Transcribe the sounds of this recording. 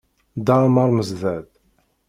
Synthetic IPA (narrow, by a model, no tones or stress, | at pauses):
d̪ɑɾˤmɑɾˤməzðæd̪